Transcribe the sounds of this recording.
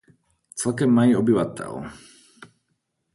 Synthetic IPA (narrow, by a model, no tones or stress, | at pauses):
t͡sɛlkɛmːajiːɔbiʋat̪ʰɛ̰l